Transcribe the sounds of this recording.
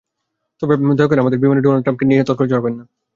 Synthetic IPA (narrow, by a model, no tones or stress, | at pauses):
t̪ɔbemd̪ʱɔkoɾeamad̪eɾbimaneɖonalɖʈɾampkeniɦet̪ːakoled͡ʑɔɾakoɾenːa